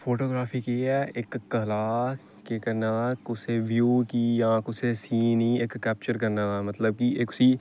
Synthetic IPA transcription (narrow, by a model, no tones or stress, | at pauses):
foːʈoːɡɾaːfʰikiɛɪkːɐlaː | kekɐɾnakʊseʋjuːkijãkʊsesiːniːeːkːɛːp̚t͡ʃəɾkɐɾnaːmɐt̪ləb̚kiʔekʊsiː